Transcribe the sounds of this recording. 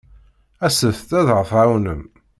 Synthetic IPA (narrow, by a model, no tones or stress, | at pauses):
æsəθt̪æðʁəθawnəm